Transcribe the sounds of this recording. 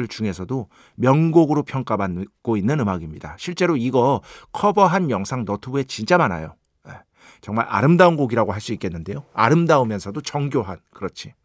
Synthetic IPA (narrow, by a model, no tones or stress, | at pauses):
ɯɭt͡ɕuŋe̞sʰʌdo | mjʌŋɡoɡɯɾopʰjʌŋk͈amank͈oinːɯnɯmaɡimɲida̰ɕʰiɭt͡ɕ͈e̞ɾoiɡʌkʰʌbʌɦanjʌŋsʰaŋnʌtʰubue̞t͡ɕint͡ɕ͈amana̰jo | jḛ | t͡ɕʌŋmaɾa̰ɾɯmdaunɡoɡiɾaɡoɦaɭs͈uik͈e̞nːɯnde̞joa̰ɾɯmdaomjʌnsʰʌdot͡ɕʌŋɡjoɦankɯɾʌt͡ɕʰi